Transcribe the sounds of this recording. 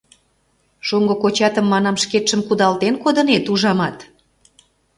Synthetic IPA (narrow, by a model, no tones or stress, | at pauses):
ʃoŋɡŏkot͡ɕɑt̪əmːɑnɑmʃket̪ʃəmkud̪ɑlt̪enkod̪ə̆net̪uʒɑmɑt̪